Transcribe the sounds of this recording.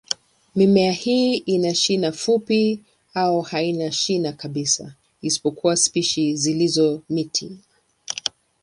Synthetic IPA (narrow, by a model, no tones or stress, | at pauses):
mimɛahiːʔinaʃinafupi | aɔhainaʃinakaɓisa̰ | isi̥pɔkʰuwaspiʃizilizɔmitʰi